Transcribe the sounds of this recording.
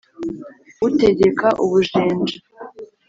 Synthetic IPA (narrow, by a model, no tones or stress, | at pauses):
ute̞ɟe̞kaʔuβuʒeːnd͡ʒa